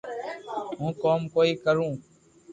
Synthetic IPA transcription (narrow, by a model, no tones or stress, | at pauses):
ɦũːkoːmkoːiːkəɾũː